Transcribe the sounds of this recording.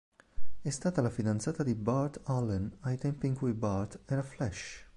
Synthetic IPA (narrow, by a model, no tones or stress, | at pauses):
ɛst̪aːt̪alafid̪ant̪saːt̪ad̪ibaɾt̪alɛnajt̪ɛmpiŋkwibaɾt̪ɛɾaflɛʃ